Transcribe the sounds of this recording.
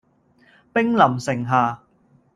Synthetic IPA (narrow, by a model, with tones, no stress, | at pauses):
pɪ˥ŋlɐ˨˩msɪ˨˩ŋɦaː˨